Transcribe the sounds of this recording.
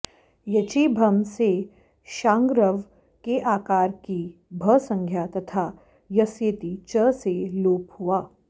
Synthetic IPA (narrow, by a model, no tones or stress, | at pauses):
jɐt͡ʃibʱɐmse | ʃãːŋɡɾəʋ | keʔaːkaːɾkibʱəsɐ̃ŋɡʱjat̪ɐt̪ʰa | jɐsjet̪it͡ʃəseloːphuaː